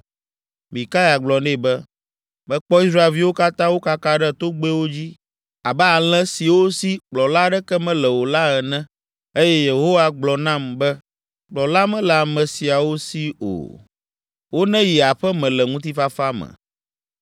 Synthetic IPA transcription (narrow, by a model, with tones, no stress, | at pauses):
mĩ˨ka˦ja˨ɡ͡blɔ˨ne˦˨bɛ˦ | bɛ̃˦k͡pɔ˦i˦s̬ɾa˦e˨lvi˦wo˦ka˦t̪ã˦wo˦ka˦ka˦ɖɛ˦t̪o˦ɡ͡be˦wo˦d͡ʑi˦ | a˨bə˦a˨l̃ɛ̃˦si˨wo˦si˦k͡plɔ˨la˦ɖɛ˦kɛ˦mɛ̃˦lɛ˨wo˨la˦ɛ˨nɛ̃˦ | e˦jɛ˦je˨ɦo˦wa˦ɡ͡blɔ˨nã˦mbɛ˦ | k͡plɔ˨la˦mɛ̃˦lɛ˨a˨mɛ̃˨si˨a˨wo˦si˦o̰˨ | wo˦nɛ̃˦ji˨a˨ɸɛ˦mɛ̃˨lɛ˨ŋũ˦t̪̬i˦fa˦fa˦mɛ̰̃˨